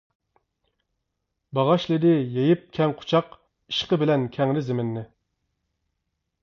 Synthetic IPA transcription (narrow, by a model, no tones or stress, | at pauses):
bɑʁɑʃlˠɪd̪ɪjejip̚kʲʰɛŋqʰʊ̥t͡ʃʰɑq | i̥ʃqəbɪlɛnkʲʰɛŋɾɪzɪmɪnːɪ